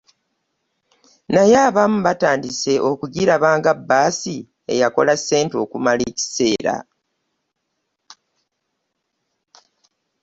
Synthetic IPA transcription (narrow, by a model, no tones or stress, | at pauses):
najaːβamuβataːndise̞ʔo̞kuɟiɾaβaːŋɡabːaːsi | e̞̰jako̞̰lasːe̞ːnto̞kumaleːci̥se̞ːɾa̰